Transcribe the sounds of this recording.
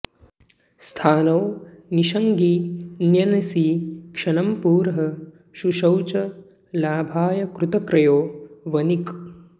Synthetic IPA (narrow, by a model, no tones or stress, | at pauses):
st̪ʰaːnɐwniʃɐŋɡinjɐnɐsikʂɐɳɐmpuːɾɦɐ | ʃuʃɐwt͡ʃɐ | laːbʱaːjɐkɾut̪ɐkɾɐjoːʋɐnik